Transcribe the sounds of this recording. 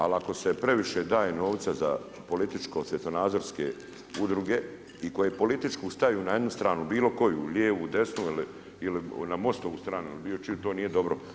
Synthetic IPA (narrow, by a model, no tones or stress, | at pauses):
a̰lako̞se̞pɾe̞ʋiʃed̪aːjeno̞ːʋt̪saza̰ | po̞lit̪it͡ʃkosʋet̪onaːd̪zo̞ɾskḛ | ud̪ɾuɡe̞ | iko̞jepo̞lit̪it͡ʃkist̪ajuːnajed̪nust̪ɾaːnubiːlo̞ko̞jṵʎeːʋud̪e̞snuili | ilinamo̞st̪oʋuːst̪ɾaːnuilibiːlot͡ʃiut̪oːniːje̞d̪o̞bɾo